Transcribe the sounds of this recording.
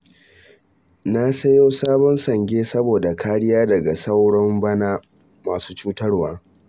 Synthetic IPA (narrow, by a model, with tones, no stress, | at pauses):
na˦sɐ˦joː˦saː˦bɔ˦nsɐ˨ŋɡʲeː˦sɐ˦boː˨da˨kʰaː˦ɽɪ˦jaː˦dɐ˨ɡa˨sa˦wɽɔ˦mbɐ˦naː˦ | maː˨su̥ː˦t͡ʃuː˦tɐ˦rwaː˦